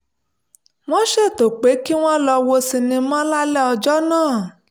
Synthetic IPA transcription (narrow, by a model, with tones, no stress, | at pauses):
w̃ɔ̃˦ʃe˦˨to˨k͡pe˨˦ki˦w̃ɔ̃˦lɔ˧wo˧si˧nĩ˧mã˦la˦lɛ˦ɔ˧d͡ʒɔ˦nãː˦˨